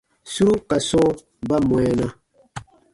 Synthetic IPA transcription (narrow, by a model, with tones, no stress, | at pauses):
su˦ɾu˦ka˨sɔ˦ | ba˦mwɛ˨˦na˦